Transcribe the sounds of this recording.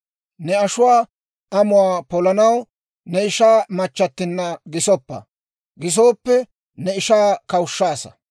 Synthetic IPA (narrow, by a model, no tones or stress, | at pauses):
nɛɐʃʊwaː | ʔɐmʊwaːpɔlɐnɐw | nɛɪʃaːmɐt͡ʃːɐt̪ːɪnːɐɡɪsɔpːɐ̰ | ɡɪs̬oːpːɛ | nɛɪʃaːkɐwʊʃːaːsɐ̥̰